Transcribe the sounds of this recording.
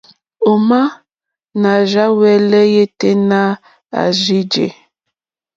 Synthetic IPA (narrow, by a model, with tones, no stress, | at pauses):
o˨ma˦ | na˨ʒa˦wɛ˦lɛ˦je˦te˦na˦ | a̰˨ʒi˦d͡ʒḛ˨